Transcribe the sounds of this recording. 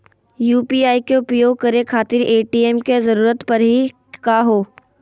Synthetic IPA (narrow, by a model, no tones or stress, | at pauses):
juːpiaːikeʊpjoːɡ̚kɐɾekʰaːt̪ɪɾeːʈiɛːmkezɐɾuːɾət̪pɐɾɦi | kaɦoː